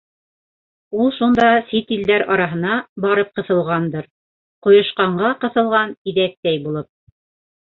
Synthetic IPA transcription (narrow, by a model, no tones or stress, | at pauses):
ulˠʃund̪ɑsit̪ild̪æɾɑɾɑɦɤ̆nɑbɑɾɤp̚qɤ̆θɤ̆lˠʁɑnd̪ɤɾ | qŏjŏʃqɑɴɢɑqɤ̆θɤ̆lˠʁɑniðæk̚t̪æjbulˠɤp̚